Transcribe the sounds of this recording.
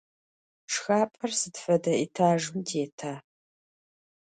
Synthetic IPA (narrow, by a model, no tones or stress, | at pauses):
ʂxaːpʼɐrsɨtfɐdɐitʰaːʒɨmdʰeːtʰaː